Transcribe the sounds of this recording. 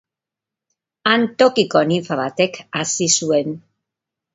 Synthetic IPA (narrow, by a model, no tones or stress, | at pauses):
ant̪o̞kiko̞niɱfaβat̪e̞kasisue̞n